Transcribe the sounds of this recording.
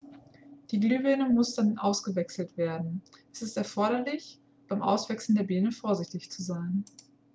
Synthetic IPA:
d̥iːɡlyːvɛːnəmʊsd̥amɪtʔaʊsɡ̥əvɛksl̩tv̥eːɐdn̩ʔɛsɪstɛɐfɔɐɾɐlɪç | b̥aɪmʔa̰ʊsv̥ɛksl̩deːɐbeːnəfoːɐzɪçtɪçt͡suzaɪn

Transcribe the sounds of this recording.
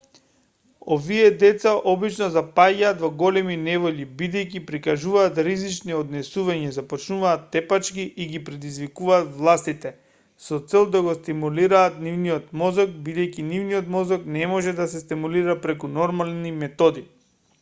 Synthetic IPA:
oviɛd̪ɛt̪saʔɔbit͡ʃnɔzapaɟaːt̪vɔɡɔlɛminɛvɔʎibid̪ɛjk̬ipɾikaʒuvaːt̪ɾizit͡ʃniɔd̪nɛsuvaɲɛzapɔt͡ʃnuvaːt̪ːɛpat͡ʃkiʔiɡipɾɛd̪izvikuvaːt̪vlˠast̪it̪ɛ | sɔt̪sɛlˠd̪aɡɔst̪imuliɾaːt̪nivniɔt̪mɔzɔk̚bid̪ɛjkinivniɔt̪mɔzɔknɛmɔʒɛd̪asɛst̪imuliɾapɾɛkunɔɾmalnimɛt̪ɔd̪i

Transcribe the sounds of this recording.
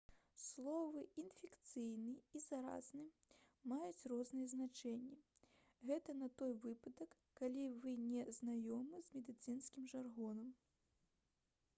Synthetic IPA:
slˠɔvɨinfʲɛkt̪sɨjnɨizaɾa̰znɨ | majut͡sʲrɔznɨjɛznat͡ʂɛnʲːi | ɣɛt̪ɐnɐt̪ɔjvɨpɐd̪ɐkːalʲivɨnʲɛznajɔmɨzmʲɛd̪ɨt̪sɨnskʲimʐarɣɔnɐm

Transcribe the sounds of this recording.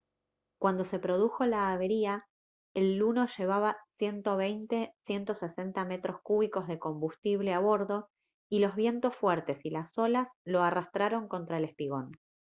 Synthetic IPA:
kwand̪o̞se̞pɾo̞ð̞uxo̞laːβe̞ɾia | elːuno̞ʒe̞β̞aβasje̞nt̪o̞β̞ejnt̪e̞sje̞nt̪o̞se̞se̞nt̪ame̞t̪ɾo̞skuβ̞iko̞zðe̞ko̞mbust̪iβle̞aβ̞o̞ɾðo̞ | ilo̞zβ̞je̞nt̪o̞sfwɛɾt̪e̞silaso̞laslo̞arast̪ɾaɾo̞ŋko̞nt̪ɾaele̞spiɣ̞o̞n

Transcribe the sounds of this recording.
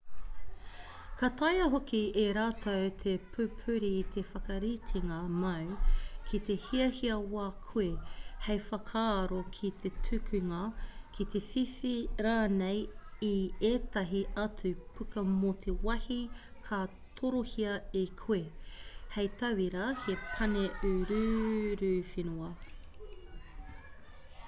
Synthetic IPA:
kɐt̪ɐjɐɦokieɾaːtʰɐwt̪ʰepʰʉpʰʉɾiːt̪ʰefɐkɐɾitʰiŋɐmɐwkʰit̪ehiɐhiɐwaːkʰuehejfɐkʰaːɾokʰit̪ʰetʰʉkʰʉŋɐkʰit̪e̞fifiɾaːnejieːt̪ɐɦiɐt͡sʉpʰʉkɐmot̪ʰewɐhikʰa | tʰoɾohiɐekʰuehejt̪ʰɐwiɾɐhepʰɐneʉɾʉɾʉfinuɐ

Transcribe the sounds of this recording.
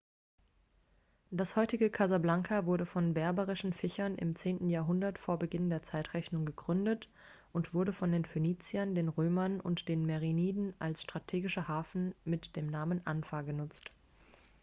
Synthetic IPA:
d̥ashɔʏtɪɡəkʰazablaŋkʰavʊɐɾəfɔnbɛɐbəʁɪʃn̩fɪçɐnʔɪ̰mt͡seːntn̩jaːɐɦʊndɐtfoːɐbəɡɪndeːɐt͡saɪtʁ̥ɛçnʊŋɡəɡʁʏndət | ʔʊntv̥ʊɐɾəfɔndeːnføniːt͡siɐndeːnʁøːmɐnʔʊ̰ntd̥eːnmɛʁiniːdn̩ʔalsʃtʁ̥atʰeːɡɪʃəhaːfn̩mɪtd̥eːmnaːmənʔanfaːɡənʊt͡st

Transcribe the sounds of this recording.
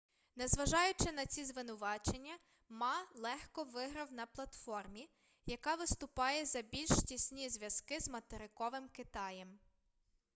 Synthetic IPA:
nɛzʋɐʒɑjʊt͡ʃɪnɐt͡sʲizʋɪnʊʋɑt͡ʃe̞nʲːɐ | mɑlˠɛxkɔʋɪɦɾɐwnɐplˠɐt̪fɔrmʲi | jɐkɑʋɪst̪ʊpɑjɛzɐbʲilʲʃtʲisʲnʲizʲʋjɐzkɪzmɐt̪eɾɪkɔʋɪmkɪt̪ɑjɛm

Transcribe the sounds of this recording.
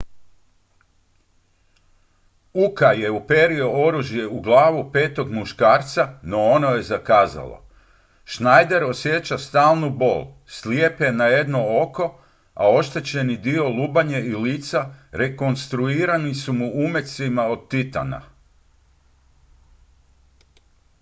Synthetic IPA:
ukaje̞upe̞ɾioo̞ɾuʒje̞uɡlˠaːʋupe̞ːt̪o̞ɡmuʃkaːɾt̪sano̞ono̞je̞zakaːza̰lˠo̰ | ʃnajd̪e̞ɾo̞sje̞t͡ɕast̪aːlˠnubo̞̰ːl | sliepeenaje̞d̪no̞o̞ko̞ | a̰o̞ʃt̪e̞t͡ɕe̞nid̪io̞luːbaɲeiliːt̪saɾe̞ko̞nst̪ɾuiːɾanisumuume̞t̪simao̞d̪̚t̪it̪a̰na̰

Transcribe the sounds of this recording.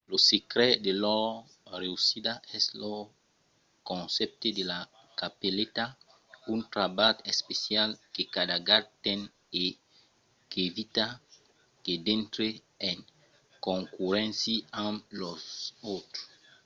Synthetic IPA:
losekɾɛd̪elɔ | reusid̪aɛslo | kõnsɛp̚t̪ed̪ela | kapelet̪a | unt̪ɾabat̪espesjalkekad̪aɡat̪ɛn | e | kevit̪a | k̪ed̪ẽnt̪ɾe | eŋ | kõŋkuɾɛ̃nsiamlosowt̪ɾo̥s

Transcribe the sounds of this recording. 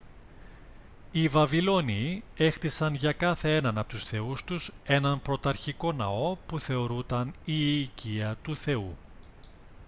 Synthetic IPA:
ivɐvilo̞nie̞xt̪isɐnʝɐkɐθe̞enɐnɐpo̞t̪usθe̞ust̪use̞nɐnpɾo̞t̪ɐɾçiko̞nɐ̰o̞puθe̞o̞ɾut̪ɐniːciɐt̪uθe̞u

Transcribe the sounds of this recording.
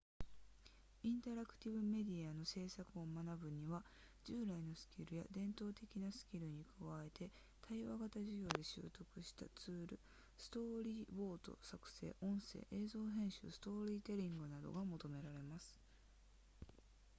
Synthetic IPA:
ĩnt̪aɾakɯ̟̥t̪ʲiβɯ̟me̞d̪ʲiano̞se̞ːsakɯ̟o̞manabɯ̟ɲ̟iβa | d͡ʑɨːɾaino̞sɨ̥kʲiɾɯ̟ja̰d̪ẽ̞nt̪o̞ːt̪e̞kʲinasɨ̥kʲiɾɯ̟ɲ̟ikɯ̟βae̞t̪e̞ | t̪ʰaiβaɡat̪aʑiɡʲo̞ːd̪e̞ɕɨ̰ːt̪o̞kɯ̟ɕi̥t̪a̰t͡sɨːɾɯ̟̰ | sɨ̥t̪o̞ɾʲiːbo̞ːt̪o̞̰sakɯ̟̥se̞̰ːʔõ̞ɰ̃se̞̰ːʔe̞ːzo̞ːɦẽ̞ɰ̃ɕɨ̰sɨ̥t̪o̞ːɾʲiːt̪e̞ɾʲĩŋɡɯ̟nad̪o̞̰ɡamo̞t̪o̞me̞ɾaɾe̞masɨ̥

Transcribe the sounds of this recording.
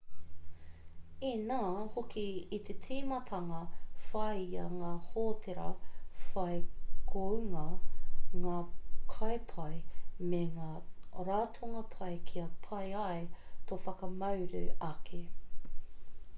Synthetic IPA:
inaːhokiːt̪ʰet͡sʰiːmɐt̪ʰɐŋɐfɐjɐ̰ŋaːhoːt̪ʰeɾɐ̰fɐjkʰoʉŋɐ | ŋaːkʰɐjpʰɐjmeŋaːɾaːtʰoŋɐpʰɐjkʰiɐpʰɐjɐjtofɐkɐmɐwɾʉ̰ɐkʰe

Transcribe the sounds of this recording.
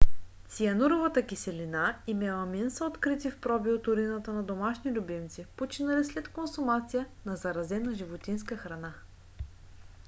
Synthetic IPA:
t̪siɐnuɾovɐt̪əkisɛlinaimɛlˠɐminsəot̪kɾit̪ifpɾɔbiʊt̪ʊɾinət̪ənɐd̪omaʃnilʲʊbimt̪sipot͡ʃinɐlislɛt̪konsumat̪sijənɐzɐɾɐzɛnɐʒivot̪inskəxɾɐna

